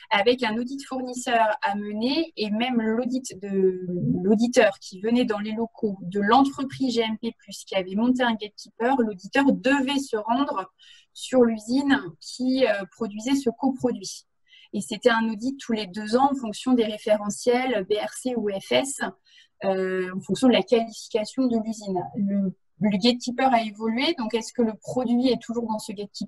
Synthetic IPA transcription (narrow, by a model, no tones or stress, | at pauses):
avɛkɛ̃nod̪it̪fuʁnisœʁaməneːmɛmlod̪it̪d̪əlod̪it̪œʁkʲʰivənɛd̪ɑ̃lelɔkʰod̪əlɑ̃t̪χəpχizʒeɛmpeplyskʲiavɛmɔ̃t̪̬eɛ̃ɡʲɛd̪̚kʲipœʁlod̪it̪œʁd̪əvɛsəʁɑ̃d̪ʁ | syʁlyzinkʲʰiøpχɔd̪ɥizɛsəkopχɔd̪ɥi | eset̪ɛɛ̃nod̪it̪ʰːuled̪øzɑ̃ɑ̃fɔ̃ksjɔ̃d̪eʁefeʁɑ̃sjɛlbeɛʁseuɛfɛs | øɑ̃fɔ̃ŋksjɔ̃d̪əlakalifi̥kʲasjɔ̃d̪əlyzinə | ləɡʲɛd̪̚kʲipœʁaevɔlɥed̪ɔ̃kɛskələpχɔd̪ɥiɛt̪ʰuʒuʁd̪ɑ̃səɡʲɛd̪̚kʲip